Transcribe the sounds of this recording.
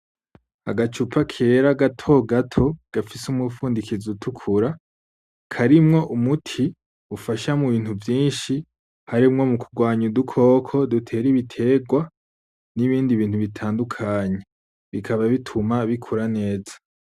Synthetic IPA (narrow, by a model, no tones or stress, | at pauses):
a̰ɡat͡ʃupʰakʰeːɾaɡatʰo̞ɡatʰo̞ɡ̥afisumŋufuːndikizutʰukʰuɾa | kʰaɾimŋo̞ʔumutʰi | ufaʃamuβiːn̥huvjiːnʃi | haɾimŋo̞mukuɡwaːɲudukʰo̞ːkʰo̞dutʰe̞ːɾiβitʰe̞ɡwa | niβiːndiβiːn̥huβitʰaːndukʰaːɲe̞ | βikʰaβaβitʰumaβikʰuɾane̞ːzḁ